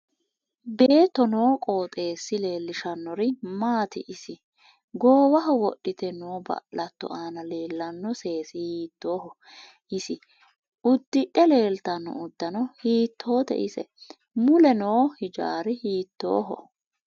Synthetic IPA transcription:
beːt̪ːɔno̞ːkʼo̞ːt̪ʼe̞ːsːɪle̞ːlːɪʃɐnːɔɾɪmaːt̪ɪ̰ʔɪsɪ | ɡoːwɐɦɔwɔɗːɪt̪ɛnoːbɐ̰ʔlɐt̪ːɔ̰ʔaːnɐleːlːɐnːɔse̞ːsɪhiːt̪ːo̞ːɦɔ | ʔɪsɪ | ʊd̪ːɪʔɛle̞ːlt̪ɐnːɔ̰ʊd̪̥ːɐnɔhiːt̪ʰːo̞ːt̪ɛ̰ʔɪsɛ̰ | mʊlɛnoːhɪd͡ʒa̰ːɾɪhiːt̪ːo̰ːɦɔ̰

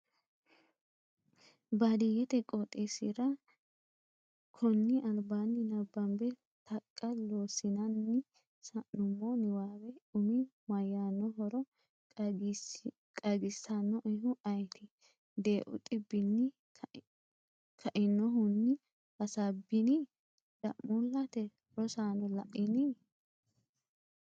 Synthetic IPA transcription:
bɐd̪ɪjɛt̪ɛkʼot̪ʼeːsɪɾɐ | kʰɔnːɪʔɐlbaːnːɪnɐbːɐmbɛ | t̪ɐkʼːɐloːsɪnɐnːɪ | sɐʔnʊmːɔnɪwaːwɛʊmɪmɐjaːnːɔɦɔɾɔ | kʼɐɡɪsːanːɔʔɪɦʊʔɐjt̪ʰɪ | d̪e̞ːʔʊ̰t̪ʼɪbːɪnːɪ | kʰɐʔɪnːɔɦʊnːɪ | hɐsabɪnɪ | d̥ɐ̰ʔmulːɐt̪ɛ | ɾɔsaːnɔlɐ̰ʔɪnɪ

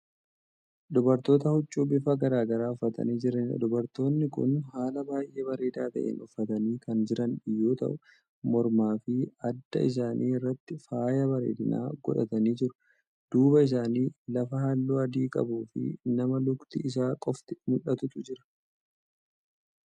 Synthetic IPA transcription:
d̪ɔbɐɾt̪o̞ːt̪̬ɐhʊt͡ʃʼːuːbɪfɐɡɐɾaːɡɐɾaːʊfːɐt̪ɐ̰niːd͡ʒɪɾɐnd̪ɔbɐɾt̪o̞ːnːɪkʊ̰nhaːlɐbaːjʔe̞ːbɐɾe̞ːd̪aːt̪ɐ̰ʔḛːnʊfːɐt̪ɐniːkɐnd͡ʒɪɾɐnᶑɪjːo̞ːt̪ɐ̰ʔʊ | mɔɾmaːfɪɐd̪ːɐ̰ɪs̬aːnʔiːɪrːɐt̪ːɪfaːjɐbɐɾḛːd̪ɪna̰ːɡɔ̰ᶑɐ̰t̪ɐniːd͡ʒɪɾʊ̥ | d̪̥uːbɐɪs̬aːniːlɐfɐhalːuːɐd̪iːkʼɐ̰buːfɪ̰nɐmɐlʊkt̪ɪɪs̬aːkʼɔft̪ɪ̥mʊᶑɐt̪ʊt̪ʊd͡ʒɪɾɐ̥

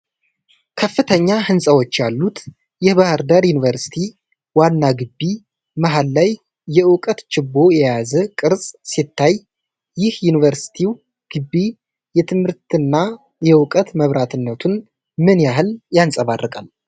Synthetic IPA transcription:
kʰəfːɨt̪ʰəɲːahɨnsʼəwo̞t͡ʃːjalːut̪ | jɪhbahɨɾd̪aɾjunivəɾsi̥t̪ʰi | wanːaɡɨbːi | məɦalːajː | ɛwʊkʼət̪t͡ʃɪbːo̞jɛjazəkʼɨɾsʼsit̪ʰːaj | jɪhjunivəɾsi̥t̪ʰiw | ɡ̥ɨbːi | jɛt̪ʰɨmhɨɾt̪ɨnːa | jɛwʊkʼət̪məβɾat̪ʰɨnːət̪ʰun | mɨnjaɦɨljansʼəβarːəkʼal

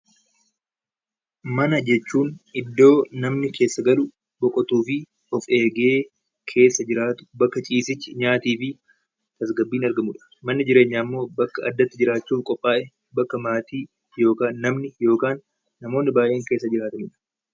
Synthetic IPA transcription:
mɐnɐd͡ʒɛt͡ʃːuːnʔɪd̪ːo̞ːnɐmnɪkʰe̞ːsːɐɡɐlʊ | bɔkʼɔt̪uːfɪ | ɔfe̞ːɡe̞ː | kʰe̞ːsːɐd͡ʒɪɾaːt̪ʊ̥bɐkːɐt͡ʃʼiːsɪt͡ʃːɪɲaːt̪iːfɪ | t̪ɐsɡɐbːiːnɐɾɡɐmʊᶑɐ̥mɐnːɪd͡ʒɪɾe̞ːɲːaːmːo̞ːbɐkːɐɐd̪ːɐt̪ːɪd͡ʒɪɾaːt͡ʃːuːfkʼɔpʼːaːʔɛ | bɐkːɐmaːt̪iː | jo̞ːkaːnːɐmnɪjo̞ːkaːnː | ɐmoːnːɪbaːʔe̞ːŋke̞ːsːɐd͡ʒɪɾaːt̪ɐmuᶑɐ̥

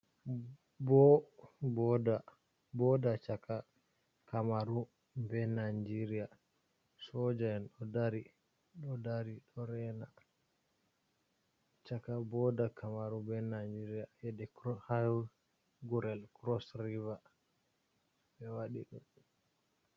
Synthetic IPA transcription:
bɔbɔda | bɔdat͡ʃaka | kamaɾu | bɛnad͡ʒiɾija | sɔd͡ʒaɛnɗɔdaɾi | ɗɔdaɾiɗɔɾɛna | t͡ʃakabɔdakʰamaɾubɛnad͡ʒiɾijajɛdɛkha | ɡuɾɛlkɾɔsɾiva | ɓɛwaɗiɗum

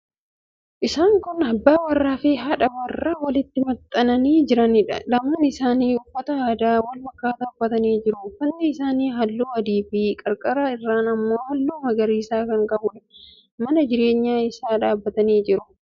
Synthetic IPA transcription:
ʔɪsaːŋkʊnɐbːaːwɐrːaːfɪɦɐᶑɐwɐrːawɐlɪt̪ːɪmɐt̪ʼːɐnɐniːd͡ʒɪɾɐnɪᶑɐ̰lɐmaːnɪsaːniːʊbːɐt̪ɐaːd̪aːwɐlfɐkːaːt̪aːʊbːɐt̪ɐniːd͡ʒɪɾʊfɐnːɪɪsaːniːɦɐlːuːɐd̪iːbiːkʼɐɾkʼɐɾaɪrːaːnɐmːo̞ːhɐlːuːmɐɡɐɾiːsaːkɐŋkʼɐbʊᶑɐ | mɐnɐd͡ʒɪɾe̞ːɲːaːɪsaːᶑaːbːɐt̪ɐniːd͡ʒɪɾʊ

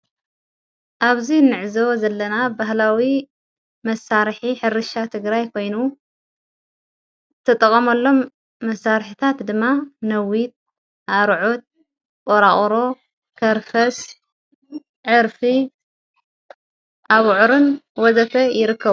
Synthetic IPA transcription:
ʔaβzinɨʕzozɐlːɐnabaɦlawi | mɐsaɾħiħɨɾɨʃat̪ʰɨɡɾajkʰo̞jnu | t̪ʰːɐt̪ʼɐkʼːɐmɐlːo̞mː | ɐsːaɾħit̪ʰat̪d̪ɨmːanɐwit̪̚ | ʔaɾʕot̪̚ | kʼoɾaχʼɾo̞ | kʰɐɾfɐs | ʕɨɾfi | ʔaβʕɾɨnwɔzɐfɐjɪɾɨkʰːɐβu

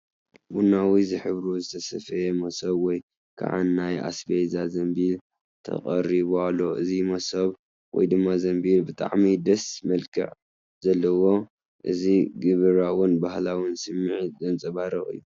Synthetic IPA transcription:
bunawizɨħɨβɾozɨt̪ʰɐsɐfɐjemɐsɐβwɔj | kʰa̰ʕa̰nːaja̰sbejzazɐmbiɾ | t̪ʰɐ̰χʼɐɾiβoalːo̞ʔɨzimɐsɐβ | wɔ̰jd̪ɨmːazɐmbiɾbɨt̪ʼa̰ʕmid̪ɐsmɐlkʰɨ̰ʕ | z̥ɐlːɐwo̞ | ʔɨziɡɨβɨɾawɨnbahlawɨnsɨmːɨʕizɨnt͡sʼɨβaɾɐχʼɨ̰jːu

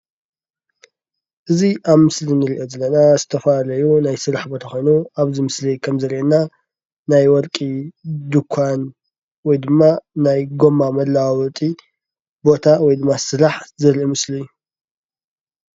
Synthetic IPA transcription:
ʔɨziʔaβmɨslinɨɾiʔo̞zɐlːɐnazɨt̪ʰɐfalɐjunajsɨɾaħbo̞t̪ʰaxo̞jnuaβzimɨslikʰɐmzɐɾiʔenːa | najwɔlkʼid̪ukʷʰːan | wɔjd̪ɨmːanajɡo̞mːamɐlːawwɔt̪ʼi | bo̞t̪ʰawɔjd̪ɨmːasɨɾaħzɨɾiʔomɨslijːu

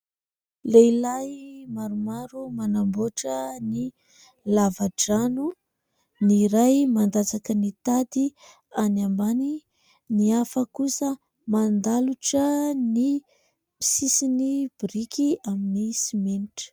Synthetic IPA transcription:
lejlajmaɾumaɾumanamboʈ͡ʂəni | lavaɖ͡ʐanu | niɾajmand̪at͡sakənit̪ad̪i | anambani | niafəkusə | mand̪aluʈ͡ʂəni | mi̥sisinib̥ɾikiaminisimeniʈ͡ʂə̥

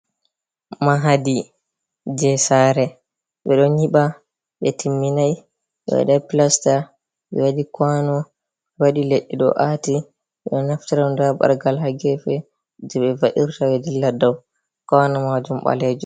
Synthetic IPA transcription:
maɦadi | d͡ʒɛsaːɾɛ | ɓɛɗɔɲiɓa | ɓɛtʰimːinaj | ɓɛ̰wɛ̰ɗapilasta | ɓɛ̰waɗikwanɔ | ɛwaɗileɗːiɗɔ̰ʔati | ɓɛɗɔnaftiɾandaba̰ɾɡalɦaɡɛfɛ | d͡ʒɛɓɛvaʔiɾtawɛdilːadaw | kɔnamad͡ʒumɓa̰lɛd͡ʒu

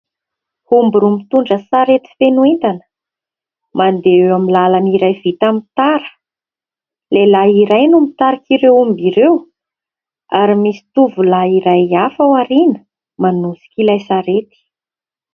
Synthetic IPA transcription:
humbuɾumit̪uɳɖ͡ʐəsaɾet̪i̥fenuent̪anə | mand̪eewamilalaniɾajvit̪amit̪aɾə̥ | lelaiɾajnumit̪aɾakiɾewumbiɾew | aɾimisi̥t̪uvulaiɾajafawaɾinə̥ | manusi̥kilajsaɾet̪i̥

